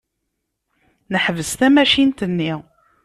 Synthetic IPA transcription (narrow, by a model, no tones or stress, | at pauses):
nəħvəst̪æmæʃint̪ənːi